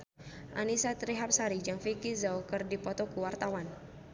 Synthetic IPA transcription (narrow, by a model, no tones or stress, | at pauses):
ʔa̰nisat̪ɾiɦap̚saɾid͡ʒaŋfikizawkɨrdipɔt̪ɔkuwart̪awan